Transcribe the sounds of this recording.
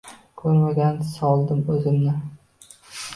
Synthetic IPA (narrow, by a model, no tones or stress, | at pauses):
kʲʰɵɾmaɡʲansɒlˠd̪ɪmɵzɪmnɪ